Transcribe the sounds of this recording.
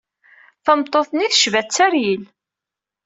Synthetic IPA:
θəmt̪ˤːoθniθəʃvæt͡sːæɾjil

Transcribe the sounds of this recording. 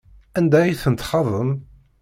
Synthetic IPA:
ænd̪æjiθənt̪χɑðˤəm

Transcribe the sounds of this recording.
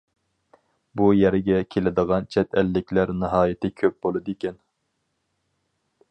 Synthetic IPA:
bujɛɾɪɡʲɛkʲʰelɪd̪əʁɑnt͡ʃʰɛt̪ʰɛlːɪkʲʰlæɾnɨɦɑːjɪt̪ʰɪkʲʰøp̚b̥olˠɨd̪ikʲʰɛn

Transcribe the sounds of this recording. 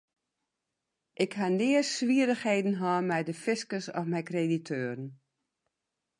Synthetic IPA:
ʔɪkhandɪːəssʋiəɾəxheːdən̩ɦɔːmɛjdəfɪskəsɔfmɛjkreditʰøːɾən̩

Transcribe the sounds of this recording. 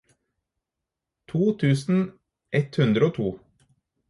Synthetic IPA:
t̪ʰuːt̪ʰʉːsn̩ | ʔɛt̪hʉnd̪ɾəoːt̪ʰṵː

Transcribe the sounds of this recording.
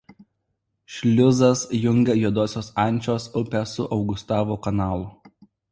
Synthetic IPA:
ʃʲlʲʊzɐsjʊŋʲɡʲɛjuɔd̪oːsʲoːsɐˑnʲˑt͡ʃʲoːsʊpʲɛsʊʔɒʊɡʊst̪ɑːʋoːkɐnɑːlˠʊ

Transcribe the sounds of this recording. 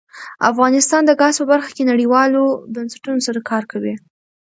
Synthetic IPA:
a̰fɣɑnɪst̪ɑnd̪əɡɑspəbaɾxḁkenaɽiwɑlobansḁʈunosaɾakʰɑɾkawi

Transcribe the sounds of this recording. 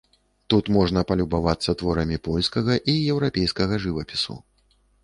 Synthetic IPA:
t̪ut̪mɔʐnɐpɐlʲubavat̪sːɐt̪vɔɾɐmʲipɔlʲskɐɣɐʔijɛwɾapʲejskɐɣɐʐɨvɐpʲisṵ

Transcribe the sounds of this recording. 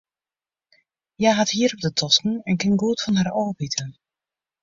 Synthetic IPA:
jaɦathiːəɾɔb̚dətʰɔskn̩ɛnkɪnɡuːtfɔnɦaroːbitʰən

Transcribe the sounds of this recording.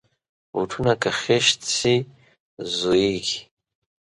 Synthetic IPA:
uʈ͡ʂʰunakʰaχʲeʃt͡sʰi | zoiɡʲ

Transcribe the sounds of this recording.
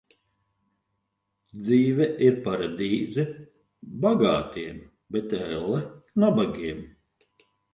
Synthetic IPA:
d̪ziːvɛʔiɾpaɾad̪iːzi | baɡa̰ːt̪iɛm | bɛt̪ɛlˠɛnabaɡʲiɛm

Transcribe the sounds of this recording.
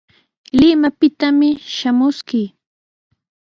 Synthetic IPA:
lɪmapɪt̪amɪʃamʊskɪː

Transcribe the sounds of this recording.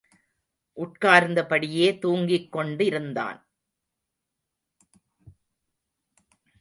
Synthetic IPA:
ʔʊʈkaːɾnd̪ɐpɐɽɪjeːt̪uːŋɡɪkːɔɳɖɪɾɯnd̪a̰ːn

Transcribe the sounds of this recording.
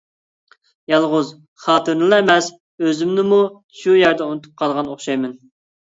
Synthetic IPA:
jɑlˠʁʊz | χɑːt̪ʰɨɾnɨlˠɨemɛs | øzɪmnɪmu | ʃujæɾd̪ɛunɨt̪ʰup̚qʰɑlˠʁɑnoχʃɑjmɪn

